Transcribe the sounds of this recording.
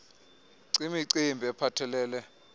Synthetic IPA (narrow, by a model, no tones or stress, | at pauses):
ǀimiǀimbʱɛpʰatʰɛlɛːlɛ